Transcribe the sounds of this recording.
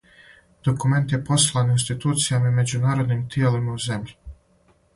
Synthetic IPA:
d̪̥o̞kume̞nt̪jepo̞slˠaːninst̪it̪uːt̪sijamaime̞d͡ʑunaːɾo̞d̪niːmt̪ielimauze̞mʎi

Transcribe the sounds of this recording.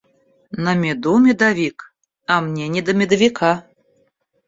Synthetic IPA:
nɐmʲɛd̪umʲɛd̪avʲik | ɐmnʲɛnʲɛd̪ɐmʲɛd̪ɐvʲikʰa

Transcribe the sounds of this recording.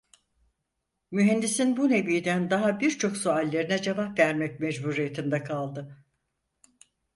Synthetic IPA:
myɦɛnd̪isinbune̞vijd̪ænd̪aɦabiɾt͡ʃʰo̞ksoalʲːe̞ɾinɛd͡ʒevapvæɾmɛc̚mɛd͡ʒbuɾijet̪ʰind̪ɛkʰalˠd̪ɯ

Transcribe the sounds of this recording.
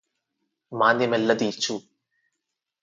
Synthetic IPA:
maːnɐmɛlːɐd̪iːt͡ʃu

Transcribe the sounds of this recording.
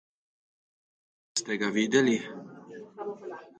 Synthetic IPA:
st̪ɛɡaʋiːd̪ɛli

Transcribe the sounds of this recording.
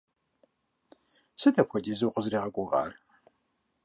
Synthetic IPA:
sɨtʰɐpxʷɐtʼizɨwqʷʼəzriːʁɐkʷʼʊʁɑ̰ːr

